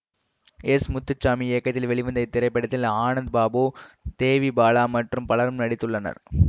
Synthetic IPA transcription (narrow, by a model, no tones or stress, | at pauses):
ɛsmʊt̪ːɯt͡ʃːaːmieːkːɐt̪ːɪlʋɛɭɪʋɯnd̪ɐɪt̪ːɪɾɐɪpːɐɽɐt̪ːɪlaːnɐnd̪baːboːt̪eːʋibaːlaːmɐʈrɯmpɐɭɐɾɯmnɐɽɪt̪ːɯɭːɐnɐ̰ɾ